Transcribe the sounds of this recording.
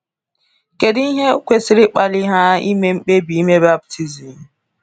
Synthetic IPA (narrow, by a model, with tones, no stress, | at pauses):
ke˨di˦ɦe˦kʷe˦sɪ˦ɾɪ˦k͡pa˦lɪ˦ɦa˦ḭ˦me˦ŋ͡m̩˦k͡pe˦bi˨i˦me˦ba˦b̚tʰi˨zi˨m̩˨